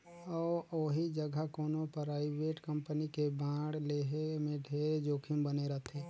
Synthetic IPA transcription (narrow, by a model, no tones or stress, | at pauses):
ɔːoɦid͡ʒəɡʱəkɔːnõpɾaːɪʋeːʈkə̃mpənikebãːɽleɦemẽɖʱeːɾed͡ʒoːkʰɪmbəneɾɐt̪ʰeː